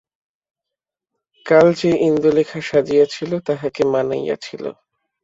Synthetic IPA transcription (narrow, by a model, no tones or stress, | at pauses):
kald͡ʑeʔind̪ulekʰaʃad͡ʑijat͡ɕʰilot̪aɦakemana̰ja̰t͡ɕʰilo̰